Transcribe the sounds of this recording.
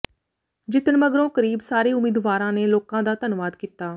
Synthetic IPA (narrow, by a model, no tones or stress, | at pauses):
d͡ʒɪt̪əɳməɡɾõːkəɾiːbsaːɾeːʊmiːd̪ʋaːɾãːneːloːkãːd̪aːt̪ənʋaːd̪kiːt̪aː